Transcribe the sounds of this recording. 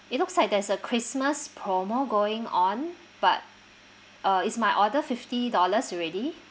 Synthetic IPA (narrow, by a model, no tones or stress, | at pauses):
ɪt̚lʊkslaɪk̚dɛsəkʰɹɪsməspʰɹomoɡoɪ̃ŋɔ̃n | b̥a̰t̚ | ʔʌɪtsmaɪʔɔdəfɪftidɔləsɔɹɛdi